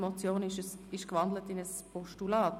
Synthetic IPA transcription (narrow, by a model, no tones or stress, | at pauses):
mɔt͡sjoːnɪʃəɪʃkvɑndlətɪnəspʰɔʃtulaːt